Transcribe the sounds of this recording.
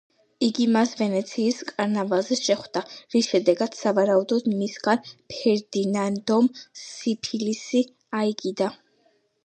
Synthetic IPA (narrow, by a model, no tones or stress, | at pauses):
iɡimasvɛnɛt̪sʰiːskʼaɾnavalˠzɛʃɛχd̪̥aɾisʃɛd̪ɛɡad̪savaɾaud̪ɔd̪misɡanpʰɛɾd̪inand̪ɔmsipʰilisi | aiɡid̪a